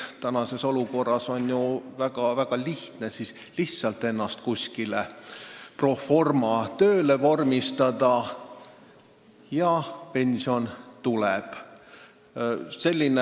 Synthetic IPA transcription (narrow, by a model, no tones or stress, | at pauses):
t̪ænɑse̞so̞luko̞rːɑso̞nʲjuvæɡ̥ɑvæɡ̥ɑliht̪ne̞sis | liht̪sɑlt̪ːˑe̞nːɑst̪̚kusʲkile | pro̞fo̞rmɑt̪ø̞ːle̞vo̞rmist̪ɑd̪ɑ | jɑpe̞nʲsio̞nt̪ulɛb̥ | se̞lʲːine